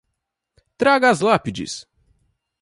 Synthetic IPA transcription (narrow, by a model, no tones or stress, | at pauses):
t̪ɾaɡɐːzlapid͡ʒɪ̰s